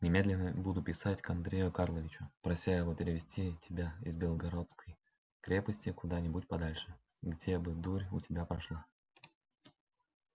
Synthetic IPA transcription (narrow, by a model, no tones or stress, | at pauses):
nʲɪmʲe̞d̪lʲɪnːəbud̪ʊpʲɪsatʲkɐnd̪ɾʲejʊkarlˠəvʲɪt͡ɕʊpɾɐsʲajɪvo̞pʲɪɾʲɪvʲɪsʲtʲitʲɪbʲaɪzbʲɪlˠɡɐɾo̞t̪skʰəj | kɾʲe̞pəsʲtʲɪkʊd̪anʲɪbutʲpɐd̪alʲʂɨ | ɡdʲebɨd̪uɾʲʊtʲɪbʲapɾɐʂlˠa